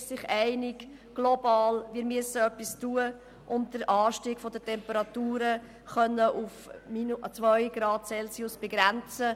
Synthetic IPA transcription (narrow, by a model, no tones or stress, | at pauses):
sɪχɛɪnɪɡ | ɡ̥lobɑːlʋɪːɾmyəsəœpːistuə | ʔʊnt̚d̥əɾʔɑːʃtiːɡ̥fɔd̪ətʰɛmpəɾɑt̪uːɾə | χœnːəʔufmint͡sʋœjɡ̥ɾɑːd̚sɛlsiusb̥ɛɡɾænt͡sə